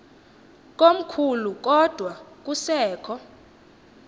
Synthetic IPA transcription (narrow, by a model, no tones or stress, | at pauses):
k̬ʼom̩kʰuluk̬ɔd̥ʱwak̬usɛːkʰɔ